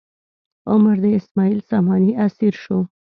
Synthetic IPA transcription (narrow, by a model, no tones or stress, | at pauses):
ʊmaɾd̪əɪsmɑilsɑmɑniasiɾʃo